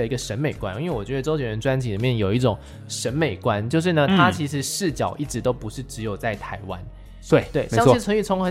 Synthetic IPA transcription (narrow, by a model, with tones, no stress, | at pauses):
ə˨˩i˧˥ɡə˨˧ʂə˧˥nme˨˩ɪkwa̰˥˦ni˥nwe˥˩wɔ˨˩t͡ɕɥɛ˧˥d̪ə˧ʈ͡ʂo˥ɥɛ˨˥nɻə˧˦˥nʈ͡ʂwa˥nt͡ɕʰi˨˥li˨˩mjɛ˥˩njo˨˩ʊi˥˩ʈ͡ʂʊ˨˩ŋ | ʂə˧˥nme˨˩ɪkwa˦nt͡ɕjo˥˧ʊʂɻ̩˥˩nə˩t̪ʰa˥t͡ɕʰi˧˥ʂɻ̩˧˥ʂɻ̩˥˩t͡ɕjɑ˨˩ʊʔi˥˩ʈ͡ʂɻ̩˧˥t̪o˥ʊpu˧˥ʂɻ̩˥˩ʈ͡ʂɻ̩˧˥jo˨˩ʊt͡sa˥˩ɪt̪ʰa˧˥ɪwa̰˦n | we˥˩t̪we˥˩ɪɕje˦˥ŋʰ˥˩ə˧˥ŋy˥˩t͡sʰʊ˧˥ŋxə˧˥